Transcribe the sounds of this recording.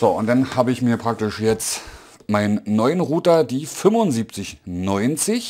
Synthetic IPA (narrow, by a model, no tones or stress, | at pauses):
z̥oːʔʊntd̥anhaːbəɪçmiːɐpʁ̥ak̚tɪʃjɛt͡st | maɪnənːɔʏənʁuːtɐdiːfʏmvʊnziːp̚t͡sɪçnɔʏnt͡sɪç